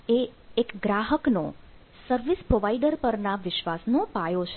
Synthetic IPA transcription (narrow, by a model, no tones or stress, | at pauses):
eːkɡɾaɦəkno | səɾʋispɾoʋaiɖəɾpəɾnaʋɪʃʋasnopajot͡ʃʰ